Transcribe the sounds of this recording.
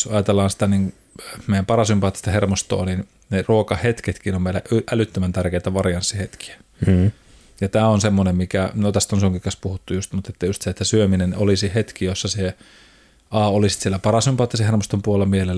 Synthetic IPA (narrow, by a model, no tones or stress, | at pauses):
ɑjɑt̪elːɑːnsi̥t̪æniŋ | meijæmpɑrɑsympɑːt̪ːi̥st̪ɑhermost̪o̰ːnin | neruokɑhet̪ket̪kiːnomeˑilæʔyʔælyt̪ːømænt̪ærkeˑit̪æʋɑriɑnsːihet̪ki̥æ̥ | jɑt̪æːonsemːonemmikænot̪æst̪onsuŋkikɑspuhut̪ːujust̪mut̪et̪ːæjust̪seet̪ːæsyøminenolisihet̪kijosːɑse | ɑːolisi̥t̪sielæpɑrɑsympɑːt̪ːisehermost̪ompuolːemielelː